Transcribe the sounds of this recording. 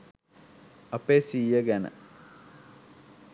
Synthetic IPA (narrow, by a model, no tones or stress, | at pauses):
ɐpeːsiːjəɡænə̰